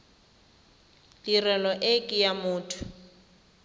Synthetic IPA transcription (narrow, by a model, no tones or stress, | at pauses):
lirɛlɔʔekʼijamʊːtʰʊ̥